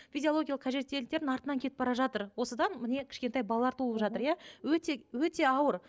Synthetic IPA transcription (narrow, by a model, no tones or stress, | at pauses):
fʲijd̪ʲioo̞ɡʲijɑlˠəqʰæʒe̞t̪ːe̞lɪkt̪e̞ɾɪnɑɾt̪ənɑŋkʲʰe̞t̪ɪpbɑɾɑʒɑt̪əɾwo̞səd̪ɑnmɪne̞kʲʰɪ̥ʃkʲe̞nt̪ɑjbɑlˠɑlˠɑɾt̪ʰulˠəpʒɑt̪əɾjawɵt̪ewɵt̪e̞ɑwəɾ